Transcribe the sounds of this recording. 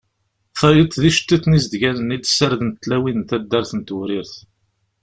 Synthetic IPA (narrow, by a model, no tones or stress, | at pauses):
fæjət̪ːðiʃə̥t̪ːiθnizd̪ʝænənid̪səɾðənt̪ːlæwinənt̪æd̪ːæɾθənt̪wɾɪɾθ